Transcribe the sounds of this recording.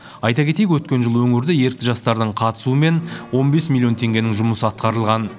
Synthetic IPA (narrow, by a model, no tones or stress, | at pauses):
ɑjt̪ɑkʲe̞t̪ejʲkwɵt̪̚kʲe̞nʒəlˠwɵŋɪɾd̪ɪje̞ɾk̚t̪ɪʒɑst̪ɑɾd̪əɴqʰɑt̪ə̥suəme̞nwo̞nbe̞smʲilʲːjo̞nt̪ʰe̞ŋɡʲe̞nɪŋʒʊməsəɑt̪qɑɾəlˠʁɑn